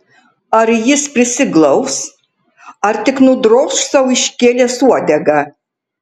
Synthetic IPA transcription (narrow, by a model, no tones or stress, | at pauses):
aɾjɪspʲrʲɪsʲɪɡlˠɐws | ɐrt̪ʲɪknud̪rossɐwiʃʲkʲeːlʲeːsuɔd̪ʲɛɡɐ